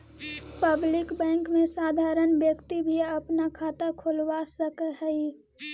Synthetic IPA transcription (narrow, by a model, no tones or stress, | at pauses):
pəblɪkbɛ̃ːŋkmẽsaːd̪ʱaːɾənbjəkt̪ibʱiɐpnakʰaːt̪akʰʊlwasəkəɦəi